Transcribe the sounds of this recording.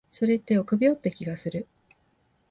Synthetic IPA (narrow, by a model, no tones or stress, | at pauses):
so̞ɾe̞t̪ːe̞okɯ̟bʲiot̪ːekʲiɡasɨɾɯ̟